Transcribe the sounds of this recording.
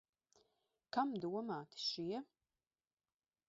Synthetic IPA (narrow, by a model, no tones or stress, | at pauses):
kʰamdɨwɐmaːtʰɨ̥ʃɪjɛ